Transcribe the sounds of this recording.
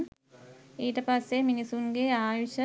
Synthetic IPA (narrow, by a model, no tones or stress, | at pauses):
iːʈəpasːeminisuŋɡeaːjiʃə